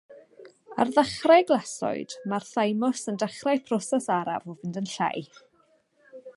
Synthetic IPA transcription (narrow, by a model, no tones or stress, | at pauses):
a̰rðaχraɡlˠasɔ̰ɨd̥marθajmɔsəndaχrajpʰrɔsɛsaɾa̰vɔvɪndənɬa̰j